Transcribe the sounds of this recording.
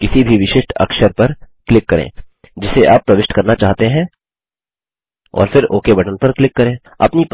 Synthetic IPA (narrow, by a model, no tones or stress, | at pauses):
kɪsibʱiʋɪʃɪʃʈʰɐ̰kʃəɾpɐɾklɪkːɐɾḛ̃ː | d͡ʒɪseʔa̰ːpːɾɐʋɪʃʈkɐɾnat͡ʃaːɦt̪eɦɛ̃ | ɔ̰ːɾfɪɾo̰ːkebʱɐʈənpɐɾklɪkːɐɾẽː | ɐ̰pni